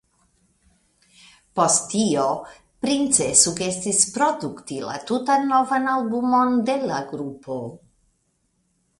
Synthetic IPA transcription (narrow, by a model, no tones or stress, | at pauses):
po̞stːio̞ | pɾint͡sesuɡe̞sispɾoduktila̰tutanːovanalbumo̞nde̞laɡɾupʰo̞